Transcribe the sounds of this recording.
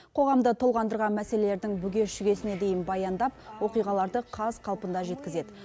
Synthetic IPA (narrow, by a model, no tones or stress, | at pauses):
qʰo̞ʁɑmd̪ət̪ʰolˠʁɑnd̪əɾʁɑnmæse̞le̞le̞ɾd̪ɪŋbʏɡʲe̞ʃʏɡʲe̞sɪne̞d̪e̞jɪnbɑjɑnd̪ɑp̚wo̞qijʁɑlˠɑɾd̪əqʰɑzqʰɑlˠpənd̪ɑʒe̞t̪̚kʲɪze̞d̪ɪ